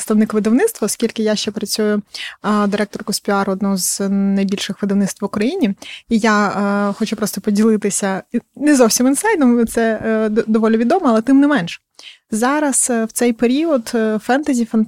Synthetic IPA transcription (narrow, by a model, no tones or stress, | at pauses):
st̪ɐʋnɪkʋɪd̪ɐwnɪt̪st̪ʋɐːskʲilʲkɪjaʃt͡ʃɛpɾɐt͡sʲujʊd̪ɪɾɛk̚t̪ɔrkɔspʲiɑɾɔd̪nɔɦɔznɐjbʲilʲʃɪxʋɪd̪ɐʋnɪt̪t̪ʋʊkɾɐjinʲiijaxɔt͡ʃupɾɔst̪ɔpɔdʲilˠɪt̪ɪsʲɐnɛzɔwsʲiminsɑjd̪ɔmt̪sɛd̪ɔʋɔlʲɪʋʲid̪ɔmɔɐlˠɛt̪ɪmnɛmɛnʃɛ̥ | zɑɾɐswt̪sɛjpeɾʲiɔd̪fɛnt̪ɐzʲifɐn